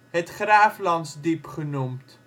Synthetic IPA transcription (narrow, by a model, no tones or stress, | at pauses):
ɦɛtχræːflɐnsdipχənumt